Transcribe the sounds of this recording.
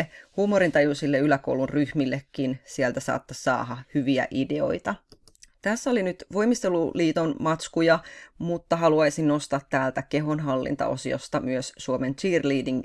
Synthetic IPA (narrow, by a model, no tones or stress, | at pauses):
huːmoɾint̪ɑjusilːeylæko̰wlunryhmilːekːinsielt̪æsɑ̰ːt̪ːɑsɑ̰ːɦɑhyʋiæ̰ʔide̞o̞̰jt̪ɑ | t̪æsːæo̞linyt̪ʋo̞jmist̪eluliːt̪onmɑt̪skujɑmut̪ːɑɦɑluɑjsinno̞st̪ɑːt̪ːæːlt̪ækeɦo̞nɦɑlːḭnt̪ɑ̰o̞̰sio̰st̪ɑmyøssuoment͡ʃiːrliːdiŋ